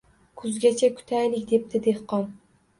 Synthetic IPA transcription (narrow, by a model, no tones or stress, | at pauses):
kʰʊzɡʲat͡ʃʰakʰʊ̥t̪ʰajlɪkʲd̪e̞p̚t̪ʰɪd̪e̞hqɒn